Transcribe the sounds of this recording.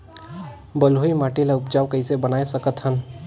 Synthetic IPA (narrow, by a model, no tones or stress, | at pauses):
bəloimaːʈilaʊpd͡ʒaːʋkəisebənaesəkət̪ɦən